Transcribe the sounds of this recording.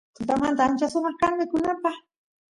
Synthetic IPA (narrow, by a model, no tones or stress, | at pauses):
t̪ʊt̪amant̪aant͡ʃasʊmɑχkaŋmɪkʊnapaχ